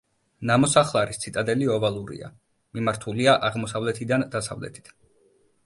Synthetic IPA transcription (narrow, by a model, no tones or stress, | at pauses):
namɔsaχlˠaɾist̪sʰit̪ʼad̪ɛliɔvalˠuɾḭa̰ | mimaɾt̪ʰuliaʔaʁmɔsavlɛt̪ʰid̪and̪asa̰vlɛ̰t̪ʰi̥t̪ʰ